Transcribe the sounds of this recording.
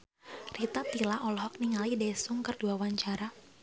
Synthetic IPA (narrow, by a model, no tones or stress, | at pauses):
rit̪at̪ilaʔɔlɔɦɔk̚niŋalidɛsʊŋkərduawaɲt͡ʃaɾa